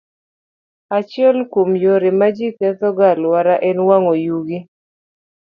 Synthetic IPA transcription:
at͡ʃɪɛlkomjoɾɪmad͡ʒikɛt̪ɔɡalwaɾaʔɛnwaŋojuɡi

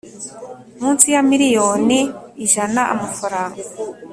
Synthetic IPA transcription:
muːnsijamiɾijo̞ːniːʒanaʔa̰mafaɾaːŋɡa

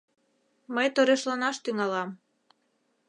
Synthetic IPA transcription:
məjt̪oɾeʃlɑnɑʃt̪yŋɑlɑm

